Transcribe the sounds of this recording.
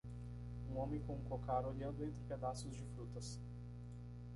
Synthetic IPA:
ũɔmẽj̃kõũkokaɾoʎʲɛld̪ʊẽnt̪ɾɪpɛd̪asʊzd͡ʒɪfɾut̪ɐs

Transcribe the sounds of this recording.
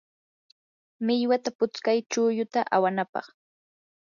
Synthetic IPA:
mɪʎwat̪apʊt͡skajt͡ʃʊːjʊt̪aʔawanapɑ̰χ

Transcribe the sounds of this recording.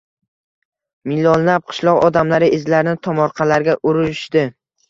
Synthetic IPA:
mɪlːɒnːap̚qʰɨ̥ʃlˠɒqɒd̪amlaɾɪʔɪzlaɾɪnɪt̪ʰɒmɒɾqʰɑlaɾɡʲaʔʊɾɪʃd̪ɪ

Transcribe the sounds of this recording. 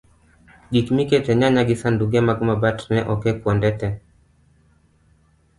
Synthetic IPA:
ɡikmikɛtɛɲaɲaɡisanduɡamaɡumabatnɛʔɔkɛkuɔndɛtɛ

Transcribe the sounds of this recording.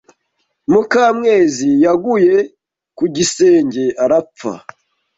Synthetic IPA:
mukaːmŋe̞ːzijaɡuje̞ | kuɟiseːɲɟe̞aɾap͡fa̰

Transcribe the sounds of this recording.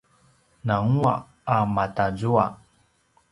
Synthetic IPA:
naŋua̰ | amatazua

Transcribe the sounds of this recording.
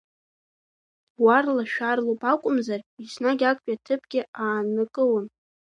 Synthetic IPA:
warlaʃᶣarlupʼakʷʼʊmzarisnaɡʲakʷʼatʰɨpʰɡʲɪaːnɨkʼɨwən

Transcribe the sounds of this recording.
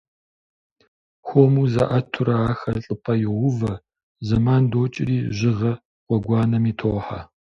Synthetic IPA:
xʷomuːzɐ̰ʔɐtʰʊɾɐaːxɐɬʼɨpʰɐjɪʁʷʊvɐ | zɐmaːndoːt͡ʃʼɪriːʒɪʁɐ | qʷɔɡʷɑːnɐmiːtʰoːħa̰

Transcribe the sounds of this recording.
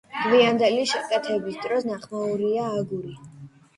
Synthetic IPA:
d̪̥viand̪ɛliʃɛkʼɛt̪ʰɛbisd̪ɾɔsnaχmauɾiaːɡuɾi

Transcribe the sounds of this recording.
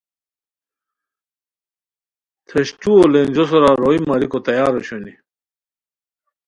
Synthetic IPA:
t̪ʰeɕʈ͡ʂuolenʲd͡ʑosoɾaɾoimɐɾikot̪ɐjaːɾoɕoni

